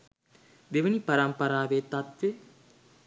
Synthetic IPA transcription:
d̪eʋənipaɾɐmpɐɾaːʋet̪at̪ʋe

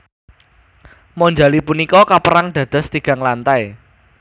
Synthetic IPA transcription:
mɔɲd͡ʒalipunikɔkapəɾaŋɖ̥ä̤d̪̥ə̤st̪iɡ̥a̤ŋlant̪aj

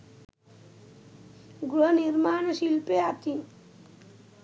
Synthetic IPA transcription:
ɡɾʌniɾmanʌsilpeat̪i

